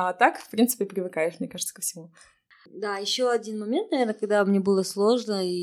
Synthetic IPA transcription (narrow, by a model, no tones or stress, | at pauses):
at̪akfpɾʲint̪sɨ̥pʲɪpɾʲɪvɨkajɪʂmnʲekaʐəɨt̪sə̥kəfsʲɪmu | d̪ajɪɕːoɐdʲinmɐmʲent̪̚nɐvʲe̞rnəkɐɡ̚d̪amnʲe̞bɨlˠəslˠo̞ʐnəi